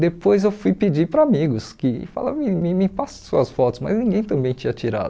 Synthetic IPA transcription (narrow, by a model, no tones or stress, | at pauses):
d̪epojzewfujpɪd͡ʒipɾɐamiɡʊskɪfa̰la̰mĩmĩmĩpasɐ̃suɐsfɔt̪ʊ̥smɐ̰znĩŋɡẽj̃t̪ɐ̃mbẽj̃t͡ʃĩɲɐt͡ʃiɾa̰d̪ʊ